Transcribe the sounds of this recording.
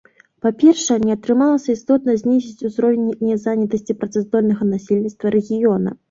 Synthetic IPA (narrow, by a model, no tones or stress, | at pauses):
papʲɛrʂɛɛnʲɛɐt̪ɾɨmalˠɐsʲɐist̪ɔt̪̚nɐzʲnʲizʲit͡sʲuzɾɔvʲenʲːinʲɛzanʲɐt̪ɐsʲt͡sʲipɾɐt̪sɛzd̪ɔlʲnɐɣɐnasʲelʲnʲit̪st̪vɐɾɛɣʲijɔnɐ̰